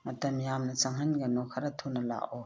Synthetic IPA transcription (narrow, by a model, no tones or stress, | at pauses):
mɐtɐmjamnɐsaŋɦɐnɡɐnɔkʰɐɾɐtʰonɐla̰ʔɔ